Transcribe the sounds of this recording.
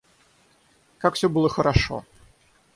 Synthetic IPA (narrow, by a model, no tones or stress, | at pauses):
kakfsʲobɨlˠəxəɾɐʂo̰